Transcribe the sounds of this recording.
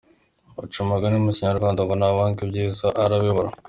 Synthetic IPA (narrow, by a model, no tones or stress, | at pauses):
ṵt͡ʃumaɡanumuciɲaɾuɾɡwaːnd̪aŋɡonawaːŋkibɟiːzaʔaɾaβiβoɾa